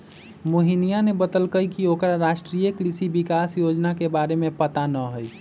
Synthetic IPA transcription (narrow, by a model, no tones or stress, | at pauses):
moɦinijanebət̪əlkəjkiokɾaɾaʃʈɾijəkɾisibikasjod͡ʒnakebaɾemepət̪anəɦəj